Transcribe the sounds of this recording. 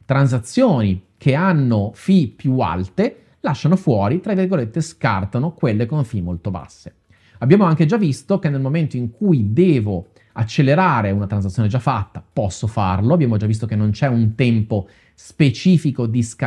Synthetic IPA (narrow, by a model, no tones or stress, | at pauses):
t̪ɾans̬at̪sːjoːnik̟ʰeanːofipjua̰lt̪e | laʃːanofwɔːɾit̪ɾavirɡolet̪ːeska̰rt̪anokwelːekoɱfimolt̪oba̰sːe | abːjaːmoaŋked͡ʒavːist̪okenːelmoment̪oiŋkujd̪ɛːvo | at͡ʃːelːeɾaːɾeunat̪ɾans̬at̪sːjoːned͡ʒafːat̪ːapɔsːofa̰rloabːjaːmod͡ʒavːis̬t̪okenːont͡ʃɛunt̪ɛmpo | spet͡ʃiːfikod̪iska